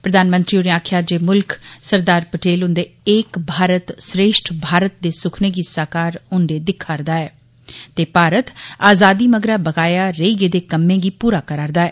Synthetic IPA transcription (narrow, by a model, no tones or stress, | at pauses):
pɾəd̪aːnmənt̪ɾioneːaːkʰjaːd͡ʒeːmʊlksəɾd̪aːɾpəʈʰeːlʊ̃nd̪eːɪkbʱaːɾət̪sɾeːʃʈʰbʱaːɾət̪̚d̪eːsʊkʰneːɡisaːkaːɾʊnd̪eːd̪ɪkʰːaːɾd̪aːɛː | t̪eːpaːɾət̪aːzaːd̪iːməɡɾaːbəɡaːjaːɾəiːɡeːd̪eːkəmːẽːɡiːpuːɾaːkəɾaːɾd̪aːɛː